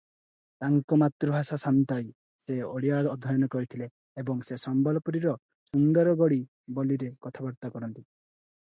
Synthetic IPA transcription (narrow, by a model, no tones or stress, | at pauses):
t̪aŋkɔmat̪ɾɔbʱasasant̪ai | seɔɽijad̪ɔd̪ʱɔjɔnɔkɔɾit̪ʰileː | bɔŋsesɔmbɔlɔpɔɾiɾɔ | sunɡ̪aɾɔɡɔɽi | bɔliɾekɔt̪ʰabɔɾt̪akɔɾɔnt̪i